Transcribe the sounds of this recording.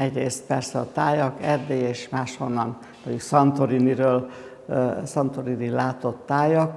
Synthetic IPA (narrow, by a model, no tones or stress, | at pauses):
ɛɟreːst̪̚pɛrsɛɒt̪aːjɒkɛd̪ːeeːʃmaːʃho̞nːɒn | mɒɟuksɒnt̪oɾiniɾøːl | sɒnt̪oɾinilaːt̪o̞t̪ːaːjɒk